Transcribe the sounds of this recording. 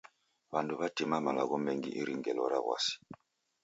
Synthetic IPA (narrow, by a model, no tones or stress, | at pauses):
βanduβatimamala̰ɣɔmɛŋɡiʔiɾiŋɡɛlɔɾaɣwa̰si̥